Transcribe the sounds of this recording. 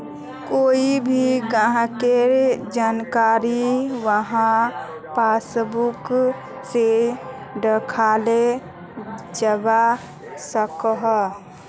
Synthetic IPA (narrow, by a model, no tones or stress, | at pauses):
koːibʱiɡãɦkeɾd͡ʒaːnkaːɾiʋəɦã | pasbuk | se | ɖəkʰale | d͡ʒəba | səkɦ